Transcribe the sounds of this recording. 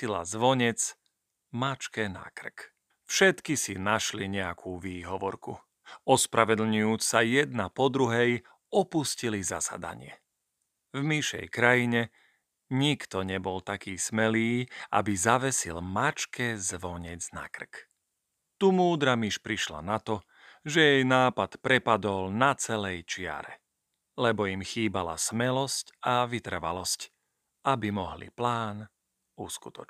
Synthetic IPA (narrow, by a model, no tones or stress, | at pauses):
ila̰zʋɔɲɛt͡s | mat͡ʃkɛna̰kr̩k | fʃɛt̪kisinaʃliɲɛakʰuːʋiːɦɔʋɔɾku | ɔspɾaʋɛd̪l̩ɲujuːt͡ssajɛd̪̚napɔd̪ɾuɦɛj | ɔpuscilizasa̰d̪a̰ɲɪɛ̰ | vmiʃɛ̰jkɾajiɲɛ | ɲikt̪ɔɲɛbɔlt̪akiːsmɛliːa̰bizaʋɛsḭlmat͡ʃkʰɛzʋɔɲɛd͡zna̰kr̩k | t̪umuːd̪ɾamiʃpɾiʃla̰nat̪ɔ | ʒɛjɛjnaːpat̪pɾɛpad̪ɔlnat͡sɛlɛjt͡ʃɪa̰ɾɛ̰ | lɛbɔjimxiːbala̰smɛlɔscaʋit̪ɾ̩ʋa̰lɔsc | ʔabimɔɦlḭplaːn | uskut̪ɔ̥̰t͡ʃ